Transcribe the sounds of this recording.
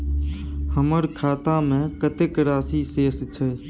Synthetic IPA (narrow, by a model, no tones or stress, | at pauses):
həməɾkʰaːt̪ãːmẽːkət̪ekɾaːsiːseːst͡ʃʰə